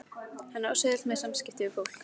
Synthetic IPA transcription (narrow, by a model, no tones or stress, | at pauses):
hɛnːawsɛðɪl̥mɛsamscɪht̪ɪʏfowl̥k